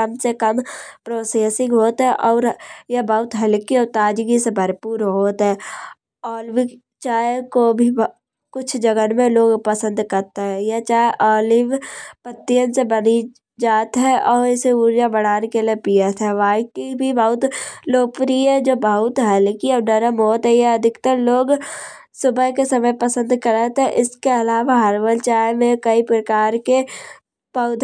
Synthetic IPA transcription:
ɐmsekəmpɾoːseːsɪ̃ŋɡɦoːt̪ɦɛ̃ʔɔːɾjabəɦʊt̪ɦɐlkiɔːɾt̪aːd͡ʒɡisebʱəɾpuːɾɦoːt̪ɦɛ̃ | ɔːlʋi | t͡ʃaːjekobʱib | kʊt͡ʃʰd͡ʒəɡənmẽloːɡpəsə̃nd̪kɐɾt̪eɦɛ̃jat͡ʃaːeʔɔːlɪʋpət̪ːijənsebəni | d͡ʒaːt̪ɦɛʔɔːɾɪseuːɾjabəɽaːnekeliepijət̪ɦɛʋaːɪkibʱibɐɦʊt̪loːpɾiəd͡ʒoːbəɦʊt̪ɦɛlekiəbnəɾəmɦoːt̪ɦɛjaɐd̪ʱɪkt̪əɾloːɡ | sʊbəɦkesəməjpəsə̃nd̪kəɾət̪ɦɛʔɪskeɐlaːʋaɦɐɾʋəlt͡ʃaːemẽkəipɾəkaːɾke | pəʊd̪ʱ

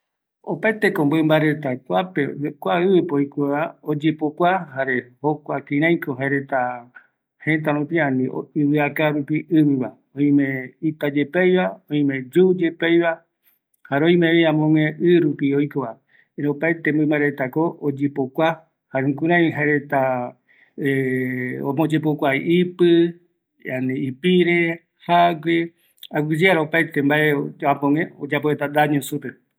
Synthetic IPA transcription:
opaet̪e̞ko̞mbɨmbaɾe̞t̪akʷapekʷaɨβɨpojkoaod͡ʒepokʷaɦaɾe̞hokʷakĩɾ̃ãj̃koɦaeɾe̞t̪a | hẽ̞t̪aɾũpiãnĩɨβɨakaɾupiʔɨβɨβa | õĩmẽit̪ad͡ʒepejβaõĩmẽ̞d͡ʒud͡ʒepejβa | haɾõĩmẽβiãmõŋẽʔɨɾupiojkoβa | ɾopajt̪embomaɾet̪akoʔod͡ʒepokʷa | haɾẽŋkũɾãĩɦaɾet̪a | omõd͡ʒep̬okʷaiʔipɨ | janẽipiɾe | haɡʷe | aɡid͡ʒeaɾaopajt̪embaeamõŋẽod͡ʒapoet̪ad̪aɲõsupe

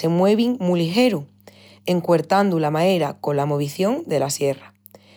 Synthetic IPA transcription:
e̞mwe̞βiŋmulixe̞ɾu | e̞ŋkwe̞ɾt̪and̪ulamaeɾako̞lamo̞β̞iθjo̞ŋd̪e̞lasje̞ra

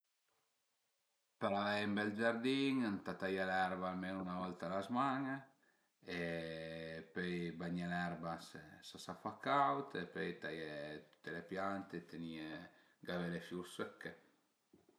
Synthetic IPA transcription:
peɾalajimbɛld͡ʒaɾd̪iŋant̪at̪ajalɛɾbaalmenunavɔlt̪alazmaŋ | e | pøjbaɲalɛɾbasesasafakawt̪epøjt̪ajet̪u̥t̪ːelepjant̪et̪ʰenie | ɡavelefjuɾsøkːe

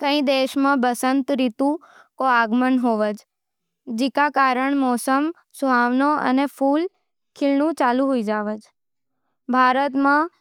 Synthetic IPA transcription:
kə̃ĩd̪eʃmãbəsənt̪ɾit̪ũ | koaɡmənɦoʋəd͡ʒ | d͡ʒikakaɾəɳmɔsəm | suɦaʋnoə̰neful | kʰɪlnũt͡ʃaluɦoid͡ʒaʋəd͡ʒ | bʱaɾət̪mã

